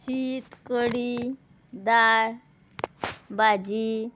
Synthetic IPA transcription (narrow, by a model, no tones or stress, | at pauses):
ɕit̪kəɽi | d̪aɭ | bad͡ʑi